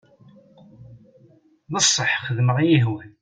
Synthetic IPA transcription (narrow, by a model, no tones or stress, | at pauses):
nəsˤːəħχəðməʁˤjiɦwæn